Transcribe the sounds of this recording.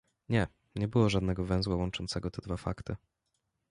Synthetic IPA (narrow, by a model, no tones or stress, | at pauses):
ɲɛ | ɲɛbɘwɔʐad̪nɛɡɔvɛ̃w̃zwawɔnt͡ʂɔnt̪sɛɡɔt̪ɛd̪vafa̰kt̪ɘ